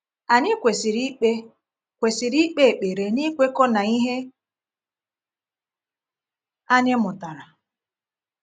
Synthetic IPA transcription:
a˨ɲɪ˦kʷe˨si˨ɾi˦k͡pe˦ | kʷe˨si˨ɾi˦k͡pe˦e˨k͡pe˨ɾe˨ni˦kʷe˦kɔ˦na˨i˦ɦe˦ | a˦ɲɪ˦mʊ˨ta˨ɾa˨

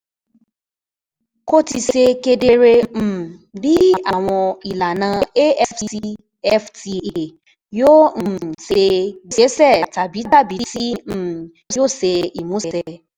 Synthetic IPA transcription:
ko˦ti˧ʃe˧ke˧de˧ɾẽ˧˨bi˨˦˨a˨w̃ɔ̃˧i˨la˨nã˧˦˧e˦ɛ˦i˧i˧ | ɛ˦fti˧e˨ | jõ˦˨see˧i˨se˨˦sɛ˦˨ta˨bi˨˦ta˦˨bi˨˦tĩ˦˨˦ | jo˦˨se˧i˨mũ˨˦ɛ˨˦sɛ˦˧

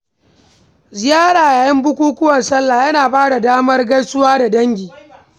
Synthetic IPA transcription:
zɪ˨jaː˦ɾaː˨jaː˨jɐ˦mbʊ˦kʷuː˦kʷʊ˦wɐ˨nsɐ˦lːaː˨jɐ˦naː˨baː˦da˨daː˦mɐ˦rɡɐ˦jsʊ˦waː˦da˨dɐ˦ŋɡʲiː˨

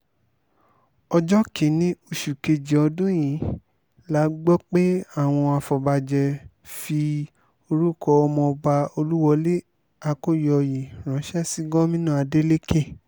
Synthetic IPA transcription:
ɔ˧d͡ʒɔ˦kĩ˨nĩ˨˦o˧˨ʃu˨ke˧d͡ʒi˨ɔ˧dũ˦j̃ĩ˨˦ | la˦ɡ͡bɔ˦k͡pe˦a˦˨w̃ɔ̃˧a˧fɔ˨ba˧d͡ʒɛ˧ | fi˧ | o˧ɾu˦kɔ˧ɔ˧mɔ̃˧ba˧o˧lu˦wɔ˧le˦ | a˧ko˦jɔ˨˧ji˨ɾ̃ã˨˦ʃɛ˦si˦ɡɔ˦mĩ˦nã˦˨a˧de˦le˦ke˦˨

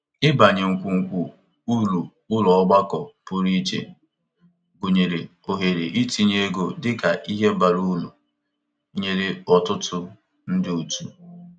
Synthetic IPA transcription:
ɪ˦ba˨ɲe˨ŋ̩˨kʷu˨ŋ̩˨kʷu˨ | u˦lu˨ | ʊ˦lɔ˨˦ɡ͡ba˦kɔ˨pʊ˦ɾi˦t͡ʃḛ˨ | ɡo˨ɲe˨ɾe˨ | o˨ɦe˨ɾe˨ʔi˦ti˨ɲe˦ɡo˨dɪ˦ka˨ʔi˦ɦe˦ba˨ɾu˦lu˨˦ | ɲe˨ɾɪ˦ɔ˨tʊ˦tʊ˦ | n̩˦dɪ˦u˨tu˦

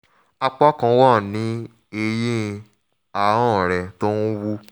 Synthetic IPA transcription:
a˧k͡pɔ˦kã˧wɔ˦˨nĩ˨˦ | e˧je˦˧ | a˧ɔ̃˦˨ɾɛ˨to˦nu˦wu˦

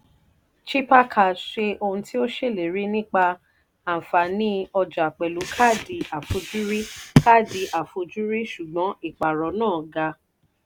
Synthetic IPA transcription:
t͡ʃi˦pa˦kʰa˦˨ʃe˧ʔo˧hũ˧ti˦o˦ʃe˦˨le˨ɾi˨˦nĩ˦k͡pa˧ | ã˨fa˨nĩ˨˦ɔ˧d͡ʒa˨k͡pɛ˨lu˨˦kʰa˦˨di˧˦a˨fo˧d͡ʒu˦ɾi˦ka˦˨di˨˧ʔa˨fo˧d͡ʒu˦ɾi˦ʃu˨ɡ͡bɔ̃˨˦i˦˨k͡pa˨ɾɔ˨˦nãː˦˨ɡa˧

